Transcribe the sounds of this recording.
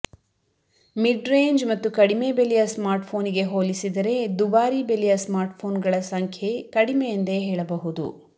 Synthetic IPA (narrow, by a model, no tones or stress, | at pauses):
miɖɾe̞ːɲd͡ʒmɐt̪ːukɐɽime̞belijɐsmaːɾʈpʰo̞ːniɡe̞ɦoːlisid̪ɐɾe̞d̪ubaːɾibelijɐsmaːɾʈpʰo̞ːnɡɐɭɐsɐŋkʰjekɐɽimejɐnd̪e̞ɦeːɭɐbɐɦud̪ṵ